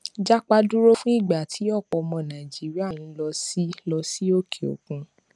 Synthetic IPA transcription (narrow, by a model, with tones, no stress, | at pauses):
d͡ʒa˦k͡pa˧du˦ɾo˦fũ˦i˦˨ɡ͡ba˨tʰi˨˦ɔ˦˨k͡pɔ˧˨mɔ̃˧˨nã˨d͡ʒi˨˦ɾi˦a˦˨jĩ˧˦lɔ˧si˦lɔ˧si˦o˦kʰe˨o̰˨kũ˧˦